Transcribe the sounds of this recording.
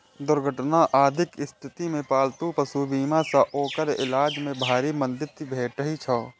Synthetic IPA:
d̪ʊɾɡʱəʈnaʔaːd̪ʱɪkɪst̪ʰɪt̪imẽpaːlt̪ũpəsubiːmasaʔoːkəɾɪ̰laːd͡ʒmẽbʱaːɾimə̃nd̪ɪɾt̪ibʱeːʈəɦit͡ʃʰɔː

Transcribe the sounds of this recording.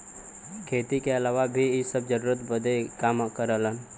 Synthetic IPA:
kʰeːt̪ikeəlaːʋabʱiɪsəb̚d͡ʒəɾuːɾət̪bəd̪ʱekaːmkəɾələn

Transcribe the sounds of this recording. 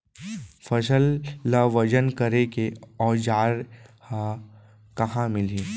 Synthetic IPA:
fʰɐs̬əlːaʋəd͡ʒənkɐɾekeɔːd͡ʒaːɾhã | kɐɦãmɪliː

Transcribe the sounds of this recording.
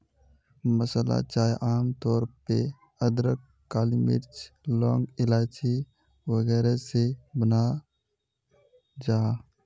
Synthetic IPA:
məsəla̰t͡ʃaːjʔaːmt̪ɔːɾpe | əd̪ɾək | kaːlimɪ̰ɾt͡ʃlɔːŋɡɪlaːt͡ʃi | wəɡɛːɾesebəna | d͡ʒaː

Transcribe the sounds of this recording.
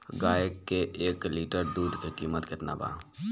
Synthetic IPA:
ɡaːjekːeʔeːkliːʈəɾd̪uːd̪ʱkekiːmət̪kɪt̪na̰ba̰ː

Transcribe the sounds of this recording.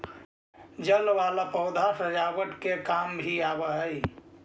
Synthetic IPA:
d͡ʒəlʋalapəʊd̪ʱasəd͡ʒawəʈkekambʱiabəɦəj

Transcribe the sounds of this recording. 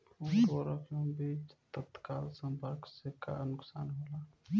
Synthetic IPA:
usoɾəkjõbit͡ʃt̪ət̪kalsə̃mpəɾkseka̰nʊksanɦola

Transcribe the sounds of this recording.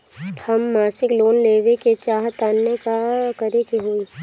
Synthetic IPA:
hɐmːaːsɪkloːnleːʋeket͡ʃaːɦt̪aːnːekakəɾekeɦoːiː

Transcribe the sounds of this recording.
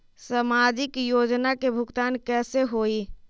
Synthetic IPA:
səmaːd͡ʒɪkjoːd͡ʒnakebʱʊɡt̪aːnkɛːseɦoːi

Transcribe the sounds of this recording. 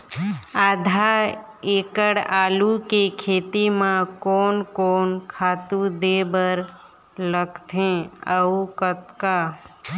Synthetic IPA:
aːd̪ʱa | eːkəɽaːlukekʰeːt̪imãkɔːnkɔːnkʰaːt̪ud̪ebəɾ | ləɡt̪ʰẽəukət̪ka

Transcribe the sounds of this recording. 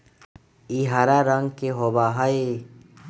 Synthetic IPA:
iɦaɾaɾəŋɡkeɦobaɦae

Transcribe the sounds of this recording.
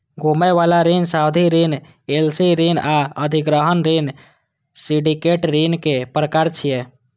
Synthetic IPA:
ɡomɛʋalaɾinsawd̪ʱiɾin | elsiɾinaəd̪ʱiɡɾəɦənɾin | siɖikeʈɾinkepɾəkaɾt͡ʃʰije

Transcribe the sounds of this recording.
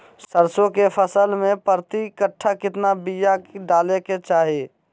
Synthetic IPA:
səɾsõkepʰəsəlmẽpəɾt̪ikəʈʰːakɪt̪nabijakɖaːleket͡ʃaːɦe

